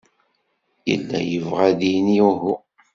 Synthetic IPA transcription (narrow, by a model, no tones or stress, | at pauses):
jə̰lːæ̰jəvʁæðiniuɦu